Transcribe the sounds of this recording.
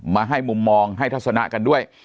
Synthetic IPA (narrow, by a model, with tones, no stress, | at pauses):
maː˧ɦa˥˩jmu˧mːɔː˧ŋɦa˥˩t̪ʰa˦˥t̪̚sa˧na̰˦˥ʔka˧ndu˥˩əj